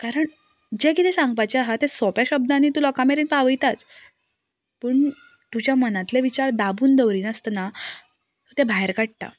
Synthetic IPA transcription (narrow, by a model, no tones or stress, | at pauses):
kaɾəɳ | d͡ʑekit̪ʰesãŋɡpajt͡ɕeaɦat̪ẽsɔpjaɕəb̚d̪añit̪ulɔkãmeɾinpaʋəjt̪at͡s | pəːɳ | t̪ud͡ʑjamənãt̪leʋit͡ɕaɾd̪abuːnd̪əʋɾiːnəst̪na | t̪ot̪ebʱaɦeɾkaɽ̚ʈ̪a̰